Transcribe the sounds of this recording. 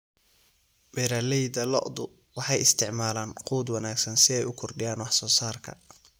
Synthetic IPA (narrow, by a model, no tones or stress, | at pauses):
bɛɾaːlɛjd̪ɐlɔ̰ʔd̪ʊ | wɑħɑjɪst̪ʰɪʕmaːlaːnquːd̪wɑnaːɡsɐnsɪɛjʊkʰɔrɖɪjaːnwɑħsɔːsaːrkʰɐ̰